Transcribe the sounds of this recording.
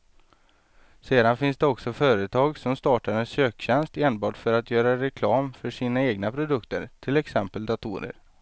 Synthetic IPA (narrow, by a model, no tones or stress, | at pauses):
seːd̪anfɪnsd̪ɛɔksɔfœːɾət̪ʰɑːɡsɔmst̪ɑːʈaɾɛnsøːkɕɛnst̪eːnbɑːʈfœɾat̪ʰjœːɾaɾɛkʰlɑːmfœʂiːnaeːɡnapʰɾʊd̪ɵkt̪əɾt̪ʰɪlɛksɛmpəld̪at̪ʰṵːɾə̰ɾ